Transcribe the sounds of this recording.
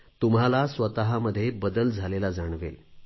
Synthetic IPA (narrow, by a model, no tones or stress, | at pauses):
t̪umɦalasʋət̪aɦaməd̪ʱːjebəd̪əld͡zʱalelad͡zaɳ̃ʋḛl